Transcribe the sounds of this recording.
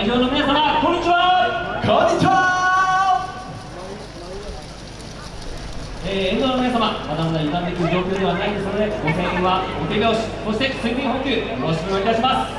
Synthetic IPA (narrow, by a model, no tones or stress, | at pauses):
içoːno̞mʲinasamakõ̞ɲ̟ːit͡ɕiβakʰõɲːit͡ɕiβa | eːẽnd̪onominas̬amamad̪amad̪aiɡ̪ãnt̪ek̬ʲiɯ̟d͡ʑo̞ːkʲo̞ːd̪e̞βanaĩnd̪e̞sɨno̞d̪e̞ɡok̪eɯβaɡok̪eɡʲaoɕi̥so̞ɕit̪e̞sɨ̃bʲĩɦõŋkʲɨːmooɕimʲiit̪aɕimasɨ̥